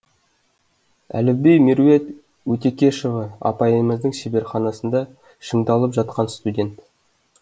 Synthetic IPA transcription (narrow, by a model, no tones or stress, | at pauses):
æ̰lɪbejmiɾuwe̞t̪ | wɵt̪e̞kʲe̞ʃovəɑ̰pɑjəməzd̪əŋʃebe̞ɾχɑnɑsənd̪ɑ | ʃəŋd̪ɑlˠəpʒɑt̪̚qɑnst̪udʲe̞nt̪